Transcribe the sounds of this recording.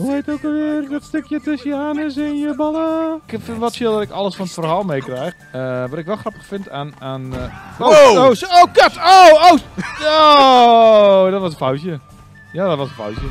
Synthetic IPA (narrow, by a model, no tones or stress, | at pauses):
əʋejtowkəlˠʋɪərdɔtstɪkjətɛsjaːnəsɪnjəbɔlˠəkfɪnʋɔtfjɪlˠdɔtɪkɔ̰lˠəsfɔnətfərhaːlˠmejkrɛjx | əʋɔtɪkʋɛlˠxrɔpə̥xfɪntananoowoɡɔtowowo | dɔtʋɔsənfawsjə | jadɔtʋɔsə̃nfa̰wzjə